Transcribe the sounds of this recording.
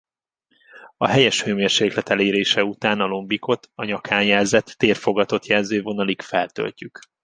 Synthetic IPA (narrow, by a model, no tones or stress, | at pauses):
ɒɦɛjɛʃhøːmeːrʃeːklɛt̪ɛleːɾeːʃɛut̪aːnɒlo̞mbiko̞t̪ʰɒɲɒkʰaːnjɛlzɛt̪ːeːrfo̞ɡɒt̪o̞t̪jɛlzøːvo̞nɒlikfɛlt̪ø̰lcyk